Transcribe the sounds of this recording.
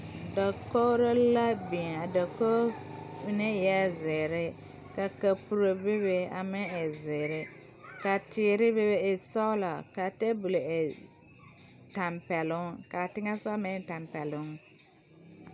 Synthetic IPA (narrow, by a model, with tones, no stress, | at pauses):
dɔ˨ko˦ɾo˦la˦bi˨ŋa˨dɔ˨ko˦ | ne˦jɛ˦zɪ˨ɾɪ˦ | ka˨ka˨pu˨ɾo˨bɪ˦βe˦a̰˨mɪ˦e˨zɪ˨ɾɪ˦ | ka˨tɪː˨ɾɪ˦bɪ˦be˦ɪ˨sɔ˦la˨ka˨te˦bu˨lo˨e˨ | ta˨mpɛ˨lʊ˦ŋka˨tɪ˦ŋa˦sa˦mɛ˦ta˨mpɛ˨lʊ˦ŋ